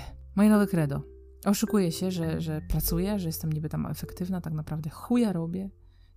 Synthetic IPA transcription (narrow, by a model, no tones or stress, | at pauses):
mɔjɛnɔvɘkɾɛd̪ɔ | ʔɔʂukujɛɕɛʐɛʐɛpɾat̪sujɛʐɛjɛst̪ɛmɲibɘt̪amɛ̰fɛkt̪ɘvnat̪aknapɾavd̪ɛxujaɾɔbʲjɛ